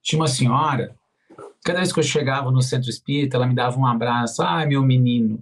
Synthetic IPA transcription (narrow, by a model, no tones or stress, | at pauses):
t͡ʃĩɲɐũmɐsĩɲɔɾɐ | kad̪ɐveskɪewʃeɡavɐnʊs̬ẽnt̪ɾʊispiɾit̪ʊɛlɐmɪd̪avɐũabɾasʊajmewminĩnʊ